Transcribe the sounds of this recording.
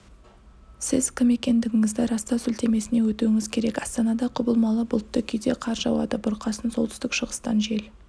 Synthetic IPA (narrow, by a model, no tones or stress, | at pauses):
sɪzkʲʰɪme̞kʲe̞nd̪ɪɡʲɪŋɪzd̪ɪɾɑst̪ɑsʏlt̪e̞me̞sɪne̞wɵt̪uwɪŋɪzkʲʰe̞ɾe̞kɑst̪ɑnɑd̪ɑqʰʊbəlˠmɑlˠəbʊlˠt̪ːəkʲʰʏjd̪e̞qʰɑɾʒɑ̰wɑ̰d̪əbʊɾqɑsənso̞lt̪ʰʏ̥st̪ɪkʃəʁəst̪ɑ̰nʒe̞l